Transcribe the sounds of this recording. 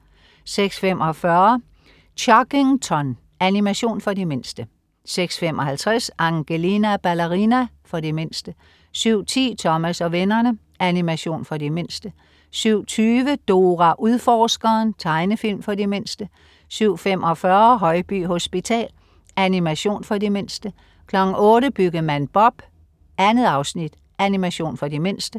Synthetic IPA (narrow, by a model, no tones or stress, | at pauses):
seɡ̥sfem̰ʔɒ̽fɶɐ | ɕʰɒɡ̥eŋt͡sʰɒn | ænimæɕo̝̰ːnfɒ̽dime̝nsd̥ə | seɡ̥sfem̰ɒ̽hælt͡sʰʁɛsʔɑ̈ŋɡ̥elinæb̥ælæʁinæfɒ̽dime̝nsd̥ə | syʊ̰t͡sʰḭːt͡sʰɒ̽mæsɒ̽ʋenɐnə | ænimæɕo̝̰ːnfɒ̽dime̝n̰sd̥ə | syʊ̰t͡sʰyːʋəd̥o̝ːʁæʔuðˠfɒːsɡ̥ɐːnt͡sʰɑ̈ɪnəfil̰mfɒ̽dime̝n̰sd̥ə | syʊ̰femɒ̽fɶɐɦɒ̽ɪb̥y̰ːɦo̝sb̥it͡sʰɛ̰ːl | ænimæɕo̝̰ːnfɒ̽dime̝n̰sd̥ə | kʰlɒ̽ɡ̥n̩ɔ̽ːɾəb̥yɡ̥ðmænb̥ɒ̽b̥ | ænð̩ˠɑ̈ʊsnid̥ | ænimæɕo̝̰ːnfɒ̽dime̝n̰sd̥ə